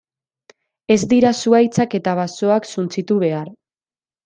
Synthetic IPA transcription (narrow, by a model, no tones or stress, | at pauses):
e̞zd̪iɾasuajt͡sake̞t̪aβ̞aso̞aksunt͡sit̪uβe̞aɾ